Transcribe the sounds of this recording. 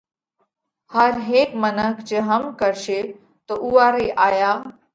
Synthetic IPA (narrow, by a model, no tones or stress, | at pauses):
həɾɦeːkmənəkd͡ʑeɦəmkəɾʃe | t̪oʔuʋaɾeʔaːja